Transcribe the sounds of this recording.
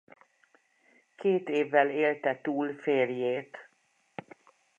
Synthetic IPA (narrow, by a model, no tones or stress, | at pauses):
kʰeːt̪eːvːɛleːlt̪ɛt̪uːlfeːrjeːt̪